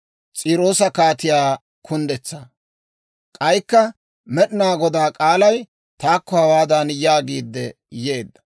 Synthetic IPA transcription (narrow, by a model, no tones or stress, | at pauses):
t͡sʼiːɾo̞ːsɐkaːt̪ɪjaː | kʰʊnd̪ɛt͡sːa | kʼɐjkːɐ | mɛɗɪnaːɡɔd̪aːkʼaːlɐj | t̪aːkːɔhɐwaːd̪ɐnjaːɡiːd̪ːɛ | jeːd̪ːɐ̥